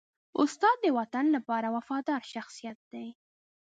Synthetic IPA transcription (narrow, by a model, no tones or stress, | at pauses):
ʊst̪ɑd̪ːəwat̪anlapɑɾawafɑd̪ɑɾʃaxsijat̪̚d̪̥aj